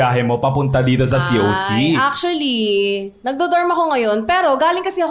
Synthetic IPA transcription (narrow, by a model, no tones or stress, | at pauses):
aːɦɛmo̞pɐpʊnt̪ɐd̪iːt̪o̞s̬ɐsiʔowsiʔak̚t͡ʃuɐli | nɐɡ̚d̪ɛd̪oɹmɐko̞ŋɐjo̞npɛːɾo̞ɡaːlɪŋkɐsɛɐ